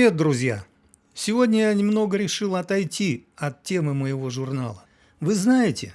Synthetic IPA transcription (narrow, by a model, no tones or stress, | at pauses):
e̞t̪̚d̪ɾʊzʲja̰ | sʲɪvo̞dʲnʲəjanʲɪmno̞ɡəɾʲɪʂɨlˠɐt̪ɐjtʲiɐt̪ʲːe̞mɨməjɪvo̞ʐʊrna̰lˠə | vɨznajɪtʲɪ